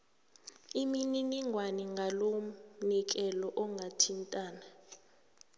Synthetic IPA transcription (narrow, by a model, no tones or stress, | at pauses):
imininiŋʱwaniŋʱalonik̬ɛlɔʔɔŋɡʱatʰintʼaːna